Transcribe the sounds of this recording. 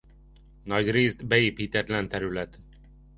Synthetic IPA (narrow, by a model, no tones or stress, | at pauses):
nɒɟreːzd̪bɛeːpiːt̪ɛt̪lɛnt̪ɛɾylɛt̪